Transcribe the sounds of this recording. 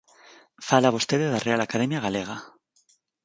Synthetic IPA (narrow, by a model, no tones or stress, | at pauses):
falaβost̪eðeðarealakað̞e̞mjaɣ̞aleɣ̞a